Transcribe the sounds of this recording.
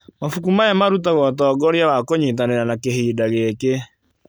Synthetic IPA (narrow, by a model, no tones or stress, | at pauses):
mafukumajamaɾutaɣɔtɔːɡɔɾjawakoɲit̬aneɾanakehiːdaɣeke